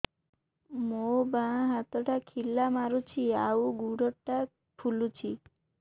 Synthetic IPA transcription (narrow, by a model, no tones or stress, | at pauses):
mobãɦat̪əʈakʰilːamaɾut͡ʃʰiauɡuɽəʈːa | pʰulut͡ʃʰi